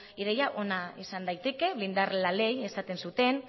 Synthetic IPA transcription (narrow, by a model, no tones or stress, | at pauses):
iɾejaʔo̞naisand̪ajt̪e̞ke̞βlind̪arlale̞je̞sat̪e̞nsut̪e̞n